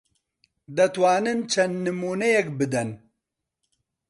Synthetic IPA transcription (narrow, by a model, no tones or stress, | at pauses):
d̪ɛt̪waːnɨnt͡ʃʰɛnd̪nɨmuːnɛjɛkbɨd̪ɛn